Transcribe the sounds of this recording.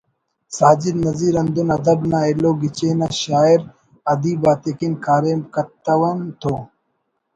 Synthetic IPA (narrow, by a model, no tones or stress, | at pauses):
saːd͡ʑiɾnɐziːɾɐnd̪unɐd̪ɐbnaːeloːɡit͡ɕeːnaɕaːiɾ | ɐd̪iːbaːt̪ekinkaːɾeːmkɐt̪ɐwɐnt̪ʰoː